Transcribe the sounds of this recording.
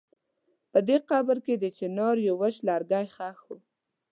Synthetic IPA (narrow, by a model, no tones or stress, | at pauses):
pəd̪eqɑbəɾked̪et͡ʃenoɾjowəʃlɑɾɡɑjxɑxu